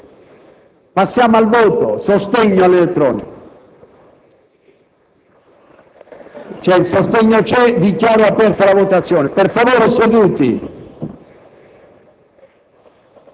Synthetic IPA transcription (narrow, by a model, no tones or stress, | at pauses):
pasːjaːmoalvoːt̪osost̪eɲːoalːelet̪ːɾɔːnik | t͡ʃɛilsost̪eɲːot͡ʃɛd̪ikjaːɾoapɛrt̪alavot̪at̪sːjɔːneperfavoːɾesed̪ut̪ḭ